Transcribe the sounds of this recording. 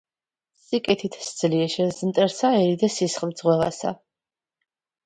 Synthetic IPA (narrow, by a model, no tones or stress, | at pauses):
sikʼɛt̪ʰit̪ʰsd̪z̥liɛʃɛzmt̪ʼɛɾsaɛɾid̪ɛsisχd̪zʁwɛva̰sa̰